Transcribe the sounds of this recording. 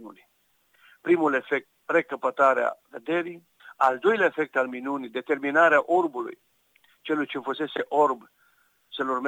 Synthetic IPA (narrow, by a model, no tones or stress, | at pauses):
ṵni | pɾimule̞fe̞k̚t̪̚re̞kəpət̪aɾea̰ved̪e̞ɾij | ald̪o̞jleaefe̞k̚t̪alminunid̪e̞t̪e̞rminaɾeaʔo̞rbulṵj | t͡ʃe̞lujt͡ʃefəse̞se̞ʔo̞rb | səlurm